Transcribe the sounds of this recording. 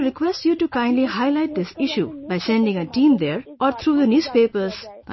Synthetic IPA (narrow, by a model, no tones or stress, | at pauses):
ɾɪkwɛsʈjuːʈukãɪ̃nɖlihaɪlaɪʈ̚d̪ɪsɪʃjṵbaɪsɛ̃ɳɖɪ̃ŋəʈĩːmd̪eɾʔɔːɾt̪ʰɾuːd̪ənjuːz̥peːpəɾz